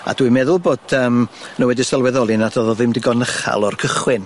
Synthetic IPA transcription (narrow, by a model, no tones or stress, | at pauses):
a̰dwimɛðʊlˠboːdəːmnəwɛdisəlˠwɛðɔlˠɨnadɔðɔðɪmdɪɡɔnəχa̰lˠɔrkʰəχwɪn